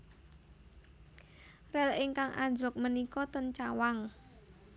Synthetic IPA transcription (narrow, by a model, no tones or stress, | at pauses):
rɛlɪŋkaŋʔa̰ɲd͡ʒʊk̚mənikɔt̪ənt͡ʃawaŋ